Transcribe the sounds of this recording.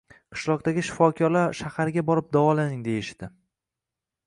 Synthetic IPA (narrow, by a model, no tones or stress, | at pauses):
qʰɨ̥ʃlˠɒq̚d̪aɡʲɪʃɪ̥fɒkʲʰɒɾlaɾʃahaɾɡʲabɒɾɪp̚d̪avɒlanɪŋd̪e̞jɪʃd̪̥ɪ